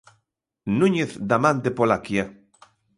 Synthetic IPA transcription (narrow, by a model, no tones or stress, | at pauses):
nũɲeθd̪amãnt̪epolakja